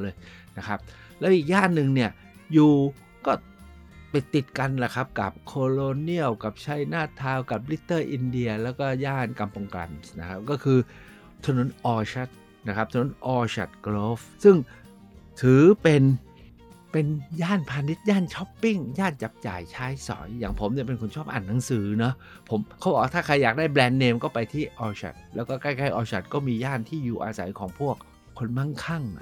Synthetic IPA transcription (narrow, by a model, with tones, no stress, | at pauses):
lɤː˧jna˦˥kʰa˦˥p̚ | lɛː˦˥wʔiː˨˩k̚jaː˥˩nːɯ˨ŋni˥˩ɐ | juː˨˩ | kɔː˥˩ | pa˨˩t̪ːi˨˩t̪̚ka˧nla˨˩kʰa˦˥p̚ka̰˨˩p̚kʰoː˧lo˧ni˥˩əwka˨˩p̚t͡ɕʰa˦˥˩jnaː˥˩t̪ʰaː˧wka˨˩p̚li˦˥t̪ːɤː˥˩ʔi˧ndi˧ɐlɛː˦˥wkɔː˥˩jaː˥˩nka˧mpo˧ŋkla̰˧msna˦˥kʰa˦˥p̚kɔː˥˩kʰɯː˧ | t̪ʰa˧no˨˩˦nʔɔː˧t͡ɕʰa˦˥t̪̚ | na˦˥kʰa˦˥p̚t̪ʰno˩˦nʔɔː˧t͡ɕʰa̰˨˩t̪̚kloː˦˥fsɯ˥˩ŋ | t̪ʰɯː˨˩˦pe˧n | pe˧njaː˥˩npʰaː˧ni˦˥t̪̚jaː˥˩nt͡ɕʰɔ˦˥pːi˥˩ŋjaː˥˩nt͡ɕa˨˩p̚t͡ɕa̰ː˨˩jt͡ɕʰaː˦˥jsɔ̰ː˩˦jːaː˨˩ŋpʰo˩˦mni˥˩p̬e˧nkʰu˧nt͡ɕʰɔː˥˩p̚ʔa̰˨˩nːa˩˦ŋsɯː˩˦nɔ˦˥ | pʰo˩˦mkʰa˦˥wbɔː˨˩t̪ʰaː˥˩kʰa˧jːaː˨˩k̚daː˥˩jblɛː˧nːeː˧mkɔː˥˩pa˧jt̪ʰiː˥˩ʔɔː˧ɕʰa̰˨˩t̪̚lɛː˦˥wkɔː˥˩ka˥˩jkʰaː˥˩ʔɔː˧ɕʰa˨˩t̪̚kɔː˥˩miː˧jaː˥˩nt̪ʰiː˥˩juː˨˩ʔaː˧sa˨˩˦jkʰɔː˩˦ŋpʰu˥˩ək̚ʰː | o˧nma˥˩ŋkʰa˥˩ŋn˦˥